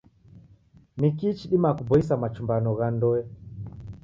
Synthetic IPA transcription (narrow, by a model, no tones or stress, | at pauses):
nikiːt͡ʃiɗimakubɔisamat͡ʃumbanɔɣandɔɛ